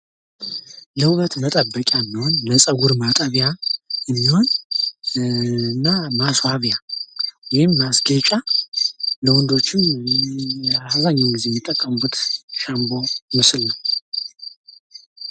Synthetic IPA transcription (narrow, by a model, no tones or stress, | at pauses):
ləwβət̪mət̪ʼəbːəkʼjaɨnːiho̞nləsʼəɡuɾmat̪ʼəβjaɨnːiho̞n | ɨnːamaswaβjawɔjɪmːasɡet͡ʃʼa | ləwɔnd̪o̞t͡ʃːɪm | azaɲːawnɡize̞jmit̪ʼːəkʼːəmbut̪ʃambo̞mɨsɨlnəw